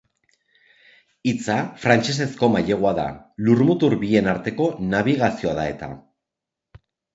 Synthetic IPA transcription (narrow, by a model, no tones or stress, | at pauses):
it͡safɾant͡ʃe̞s̬e̞sko̞maʎe̞ɣ̞oaða̰lurmut̪uɾbie̞naɾt̪e̞ko̞naβ̞iɣasio̞aðae̞t̪a̰